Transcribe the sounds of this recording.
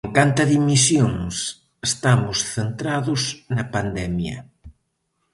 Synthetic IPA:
eŋkant̪ɐðimisjoŋs | est̪amʊsθent̪ɾaðʊsnɐpand̪ɛmjɐ̰

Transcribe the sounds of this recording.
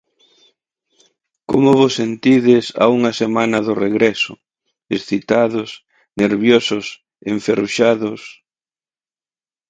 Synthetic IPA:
ko̰mʊβʊsent̪iðɪsa̰uŋɐsemãnɐðʊreɣɾɛsʊ̰ | esθit̪aðʊs | neɾβjosʊs | eɱferuʃaðʊs

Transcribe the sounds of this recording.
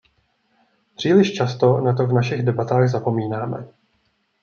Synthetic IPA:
pr̝̥iːlɪʃt͡ʃast̪o̞nat̪ovnaʃɪɣdɛbat̪aːɣzapo̞miːnaːmɛ̰

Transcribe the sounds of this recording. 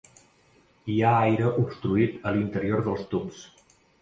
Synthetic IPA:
iaajɾəʔupst̪ɾuit̪əlint̪əɾioɾðəlˠst̪ups

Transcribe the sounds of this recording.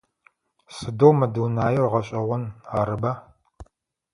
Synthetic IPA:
sɨdoːmɐdɨwnaːjɛrʁɐɕʼɐʁʷʊnaːɾɨbaː

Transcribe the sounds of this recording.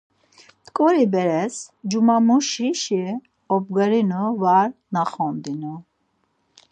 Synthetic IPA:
t̪kʼɔɾibɛɾɛsd͡ʒumamuʃiʃi | ɔb̚ɡaɾinuvaɾnaχɔnd̪inu

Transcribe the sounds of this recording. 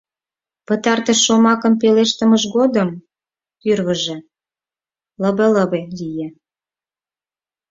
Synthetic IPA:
pə̆t̪ɑrt̪əʃːomɑkə̆mpeleʃt̪ə̆məʃɣod̪əm | tyrβə̆ʒĕ | ləβeləβelije

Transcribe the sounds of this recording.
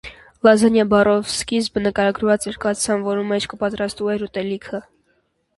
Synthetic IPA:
lɑzɛnjɑbɑrɔvskizbənəkɑɾɑɡɾvɑt͡sɛɾkɑt͡ssɑnvɔɾumɛt͡ʃʰkʰəpɑt̪ɾɑst̪vuɛɾut̪ɛlikʰə

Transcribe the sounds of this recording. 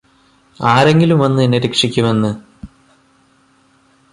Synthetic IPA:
aːɾe̞ŋɡilumʋɐnːɨinːeɾekʂikʲːume̞nːɨ

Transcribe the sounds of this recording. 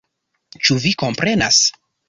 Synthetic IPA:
t͡ʃuviko̞mpɾe̞nas

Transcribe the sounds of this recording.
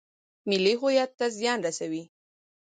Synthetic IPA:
milixojat̪ːas̬janɾasawi

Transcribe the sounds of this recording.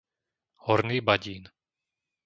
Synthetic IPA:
hɔɾniːbaɟiːn

